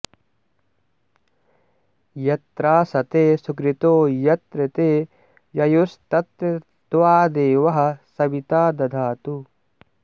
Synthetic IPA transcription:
jɐt̪ɾaːsɐt̪eːsukɾɪt̪oːjɐt̪ɾɪt̪eː | jɐjust̪ɐt̪ɾɐ | t̪ʋaːd̪eːʋɐɦɐ̆sɐbit̪aːd̪ɐd̪ʱaːt̪u

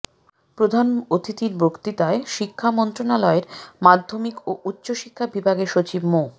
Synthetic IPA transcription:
pɾod̪ʱanot̪ʰit̪iɾbʱokt̪it̪aeʃikʰːamɔnt̪ɾonalɔeɾmad̪ʱːomikoʔutːɕoʃikʰːabibʱaɡeʃot͡ɕibmo

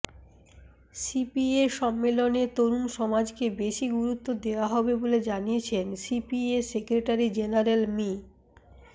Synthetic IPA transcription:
sipieʃɔmːelonet̪oɾunʃɔmad͡ʑkebeʃiɡuɾut̪ːod̪eoaɦɔbeboled͡ʑaniet͡ɕʰensipiesekɾeʈaɾid͡ʑenaɾelmi

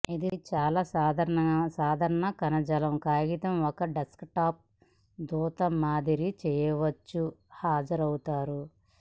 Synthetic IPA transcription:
id̪it͡ʃaːlaːsaːd̪ʱɐɾɐɐɐsaːd̪ʱɐɾɐɳɐkɐnɐd͡ʒɐlɐmkaːɡit̪ɐmɔkɐɖɐskʈaːp̚ | d̪uːt̪ɐmːaːd̪iɾit͡ʃɛːjɐʋɐt͡ʃːuhaːd͡ʒɐɾɐwt̪aːɾu

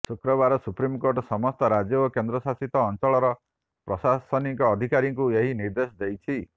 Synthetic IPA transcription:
sukɾɔβaɾɔsupɾimkoɾʈsɔmɔst̪ɔɾad͡ʒjɔokend̪ɾɔsasit̪ɔːnt͡ʃɔɭɔɾɔ | pɾɔsasɔnikɔːd̪ʱikaɾiŋkueɦiniɾd̪esɔd̪ejt͡ʃʰi

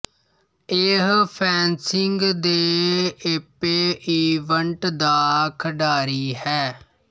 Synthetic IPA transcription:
eːɦpʰɛːnsɪŋɡd̪eːepeːʔiːʋəɳʈd̪aːkʰəɖaːɾiːhɛː

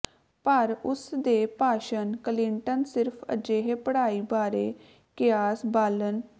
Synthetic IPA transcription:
pəɾʊsd̪eːpaːʃənkəlɪɳʈənsɪɾpʰə̰d͡ʒeːɦeːpəɽaːiːbaːɾḛː | kɪjaːsbaːlən

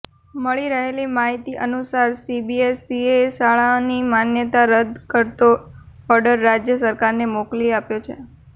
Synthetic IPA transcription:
məɭiɾəɦelimaɦit̪iʔənusaɾsibiesiesaɭanimanjət̪aɾəd̪ʱkəɾt̪o | ɔɾɖəɾːad͡ʒjəsəɾkaɾnemokliapjot͡ʃʰḛ

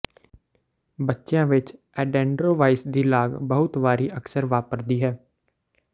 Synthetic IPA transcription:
bətːʃjãːʋɪt͡ʃ | ɛːɖɛ̃ːɳɖɾoːʋaːɪsd̪iːlaːɡbəɦʊt̪ʋaːɾiːʔəksəɾʋaːpəɾd̪iːɦɛː

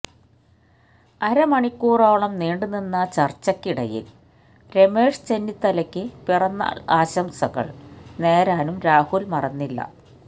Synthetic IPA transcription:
ɐɾɐmɐɳikʲːuːroːɭɐmneːɳɖuninːɐt͡ɕɐrt͡ɕːɐkːiɽɐjḭl | ɾe̞me̞ːʂt͡ɕenːit̪ːɐlɐkʲːɨpirɐnːɐ̰aːɕɐmsɐɣɐ̰ɭne̞ːɾaːnumɾaːhulmɐrɐnːilːɐ̰

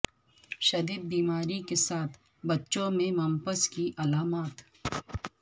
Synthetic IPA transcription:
ʃɐd̪iːd̪̚biːmaːɾikesaːt̪ʰ | bɐtːʃõmẽmɐmpəskiʔɐlaːmaːt̪

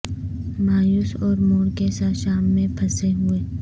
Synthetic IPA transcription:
maːjuːsɔːɾmoːɽkesaʃaːmːẽpʰɐseɦʊeː

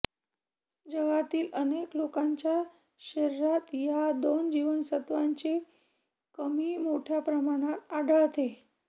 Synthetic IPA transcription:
d͡ʑəɡat̪iːləneklokaɲt͡ɕja | ɕeɾɾat̪jad̪ond͡ʑiʋənsət̪ʋaɲt͡ɕe | kəmiːmoʈʰjapɾəmaɽ̃at̪aɽʱət̪e

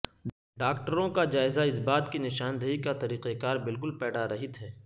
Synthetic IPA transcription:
ɖaːk̚ʈəɾõkad͡ʒaːɪzaɪsbaːt̪kinɪʃaːnd̪əɦikat̪ɐɾiːqekaːɾbɪlk̬ʊlpɛːɽaɾɐɦɪt̪ɦɛː

